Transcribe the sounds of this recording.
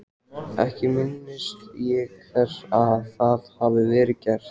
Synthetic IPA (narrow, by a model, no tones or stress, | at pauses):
ʔɛ̰hcɪmɪnːɪst̪jɛɣθɛsaðθaðhavɪvɛːɾɪcɛɾ̥